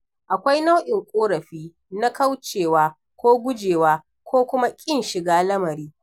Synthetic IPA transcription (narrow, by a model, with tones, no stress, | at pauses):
ʔa˨kʷa˦jna˦wʔɪ˨ŋkʷʼoː˦ɽɐ˨ɸiː˦ | na˦ka˦wt͡ʃeː˨waː˦ | kʷoː˦ɡʷʊ˦d͡ʒeː˨waː˦ | kʷoː˦kʷʊ˦ma˦kʲʼɪ˦nʃɪ˨ɡaː˦lɐ˦mɐ˨ɾiː˦